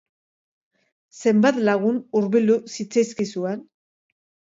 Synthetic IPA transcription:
se̞mbat̪laɣ̞unuɾβild̪usit͡sajskisuen

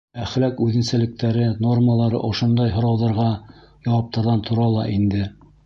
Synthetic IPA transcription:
æχlækʉðɘ̆nsælɘ̆k̚t̪æɾɘno̞rməlˠɑɾɤ̰ʔŏʃond̪ɑjɦŏɾɑwðɤ̆ɾʁɑ | jɑwɑp̚t̪ɑɾðɑnt̪ʰŏɾɑlˠɑʔind̪ɘ

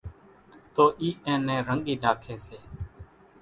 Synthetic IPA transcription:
t̪oːʔiːʔɛ̃ːnɛ̃ːɾəŋɠiːɗaːkʰeːseː

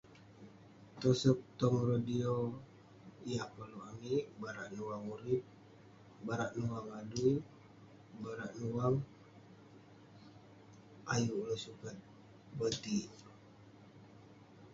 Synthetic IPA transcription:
t̪ɔsɔk̚t̪ɔŋɾodio | ijapəluamiʔbaɾaʔnuwaŋuɾip̚ | baɾaʔnuwaŋadui | baɾaʔnuwaŋ | ajulosukat̪̚ | bət̪i

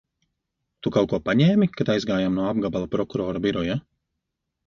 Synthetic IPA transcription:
t̪ukawkuɔpaɲɛːmikat̪ajzɡaːjamnuɔab̚ɡabalˠapɾɔkuɾɔːɾabiɾɔja

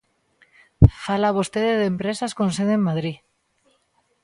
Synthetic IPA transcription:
falaβost̪eðeðempɾesaskonseðemːaðɾi

